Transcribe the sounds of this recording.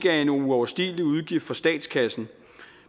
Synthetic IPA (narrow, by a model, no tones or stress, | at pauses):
ɡ̥æɐe̝nouɒʊɐsd̥ḭːliuð̞ˠɡ̥ifd̥fɒ̽sd̥ɛ̰ːd̥skʰæsn̩